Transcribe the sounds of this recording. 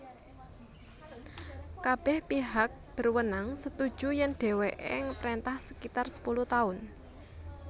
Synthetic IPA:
kab̥ɛhpiɦak̚b̥ə̤rwənaŋsət̪ud̥ʒ̥ṳjɛnɖ̥e̤weʔɪŋpəɾent̪ahsəkit̪arsə̥puluht̪aʊn

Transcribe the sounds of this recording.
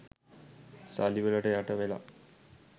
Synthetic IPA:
saliʋələʈəjaʈəʋela̰

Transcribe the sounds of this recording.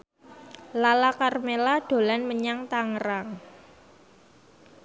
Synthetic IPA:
lalakarmelaɖ̥o̤lanməɲaŋt̪aŋɾaŋ

